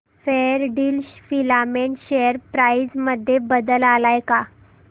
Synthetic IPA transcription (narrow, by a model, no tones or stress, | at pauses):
feɾɖiːlfilameɳɕejəɾpɾaid͡zməd̪ʱːjebəd̪əlalajka